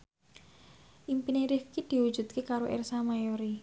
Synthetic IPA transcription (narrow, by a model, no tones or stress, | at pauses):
ʔimpineɾifkid̪̥i̤wud̥ʒ̥ṳt̪̚kekaɾoʔɛ̰rsamajoɾi